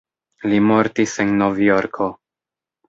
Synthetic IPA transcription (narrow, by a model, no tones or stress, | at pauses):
limo̞ɾtisenːovjoɾkʰo